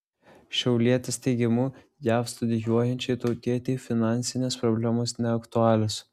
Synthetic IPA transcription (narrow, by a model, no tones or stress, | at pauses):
ʃʲɛʊlʲiɛt̪ʲɪst̪ʲɛɪɡʲɪmuː | jæːfst̪ʊd̪ʲɪjuɔjɛnʲt͡ʃʲɛɪt̪ɔʊt̪ʲiɛt̪ʲɛɪfʲɪnɑˑnʲsʲɪnʲeːspɾɔbʲlʲæmoːsnʲɛɐkt̪ʊɑːlʲʊs